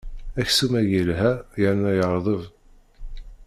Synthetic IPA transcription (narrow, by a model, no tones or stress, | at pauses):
æçsumæjilɦæjəɾnæjəɾˤðˤəv